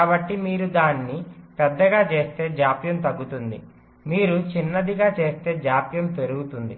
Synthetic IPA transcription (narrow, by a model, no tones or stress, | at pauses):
kaːbɐʈːimiːɾud̪aːnːipɛd̪ːɐɡaːt͡ʃe̞ːst̪e̞ːd͡ʒaːpjɐmt̪ɐɡːut̪und̪i | miːɾut͡ʃinːɐd̪iɡaːt͡ʃe̞ːst̪e̞ːd͡ʒaːpjɐmp̪e̞ɾuɡut̪und̪i